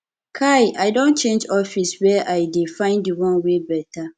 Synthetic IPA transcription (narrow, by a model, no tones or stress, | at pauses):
kʰajʔaɪdõnt͡ʃẽnd͡ʒɔfiswɛʔaɪdefãɪ̃ndiwɔ̃nwebɛtʰa